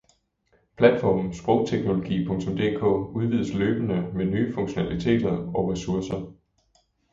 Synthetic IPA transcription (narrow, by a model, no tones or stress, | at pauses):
pʰlæd̥fɒ̰ːmn̩sb̥ʁɔʊt͡sʰeɡ̥no̝lo̝ɡ̥ḭːpʰɔ̽ŋt͡sʰɔ̽md̥e̝̰ːkʰɔ̰̽ːuð̞ˠʋið̞̰ˠəsløːb̥ənəmenyːfɔ̽ŋɕo̝nælit͡sʰe̝̰ːd̥ɐɒ̽ʁɛsuɐsɐ